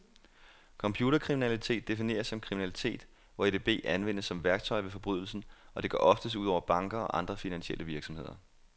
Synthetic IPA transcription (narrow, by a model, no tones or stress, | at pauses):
kʰɒ̽mpʰjuːɾ̥ɐkʰʁiminælit͡sʰe̝̰ːd̥ːe̝fine̝̰ːɐsːɒ̽mkʰʁiminælit͡sʰe̝̰ːd̥ | ʋɒed̥eb̥e̝̰ːænʋen̰əsːɒ̽mʋæɐɡ̥̚t͡sʰɒɪʋe̝fɒ̽b̥ʁyðˠl̩sn̩ɒ̽d̥e̝ɡʰɶ̰ʔɒ̽fd̥əsuð̰ˠɒ̰ʊ̰ɐb̥ɑ̈ŋɡ̥ɐɒ̽ʔɑ̈nd̥ʁɐfinænɕielʔəʋiɐɡ̥sɒmhe̝ð̰ˠɐ